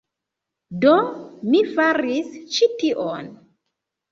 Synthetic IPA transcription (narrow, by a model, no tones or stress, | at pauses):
domifaɾist͡ʃitiʔon